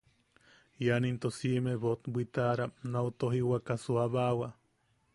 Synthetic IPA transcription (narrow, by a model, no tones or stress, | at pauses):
janint̪osimeβot̪bʷit̪aɾanaut̪oɦiwakasuaβawa